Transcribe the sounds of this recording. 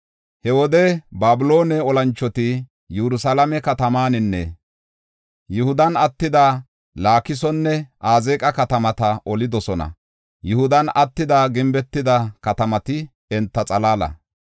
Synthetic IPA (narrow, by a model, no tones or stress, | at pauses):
hɛwɔd̪ɛbaːbɪlo̞ːnɛɔlɐnt͡ʃːɔt̪ɪ | juɾʊsalɐmɛkɐt̪ɐmaːnɪnːɛ̰ | jʊhʊd̪ɐnɐt̪ːɪd̪a | laːkɪs̬ɔnːɛʔaːzeːkʼɐkɐt̪ɐmɐt̪ɐʔɔlɪd̪ɔsɔnɐ̰ | jʊhʊd̪ɐnɐt̪ːɪd̪aːɡɪmbɛt̪ːɪd̪ɐkɐt̪ɐmɐt̪ɪ | ɛnt̪ːɐt͡sʼɐlaːlɐ̰